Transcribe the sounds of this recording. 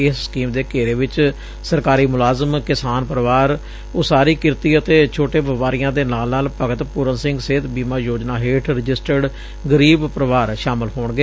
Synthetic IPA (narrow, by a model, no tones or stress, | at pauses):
ɪsskiːmd̪eːkeːɾeːʋɪt͡ʃ | səɾkaːɾiːmʊlaːzəmkɪsaːnpɾəʋaːɾ | oːsaːɾiːkɪɾt̪iːət̪eːt͡ʃʰoːʈeːʋəpaːɾɪjãːd̪eːnaːlnaːlpəɡət̪pʊɾənsɪ̃ŋɡseːt̪biːmaːjoːd͡ʒnaːɦeːʈʰɾɪd͡ʒɪsʈəɖ | ɡəɾiːbpɾəʋaːɾʃaːmɪlɦoːɳɡeː